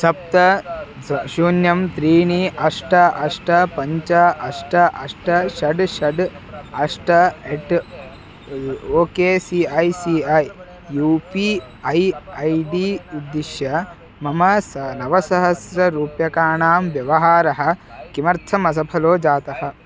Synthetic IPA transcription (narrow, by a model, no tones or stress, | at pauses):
sɐp̚t̪ɐ | ʃuːnjɐmt̪ɾiːɳiʔɐʂʈɐʔɐʂʈɐpɐɲt͡ʃɐɐʂʈɐʔɐʂʈɐʃɐɖʃɐɖ | ɐʂʈɐeʈ | oːkeːsiɐjsiːɐjː | uːpiː | ɐjɐjɖiːud̪ːiʃjɐ | mɐmɐsnɐʋɐsɐɦɐsɾɐɾuːpjɐkaːɳaːmʋjɐʋɐɦaːɾɐɦɐ̆kimɐɾt̪ʰɐmɐs̬ɐpʰɐloːd͡ʒaːt̪ɐhɐ̆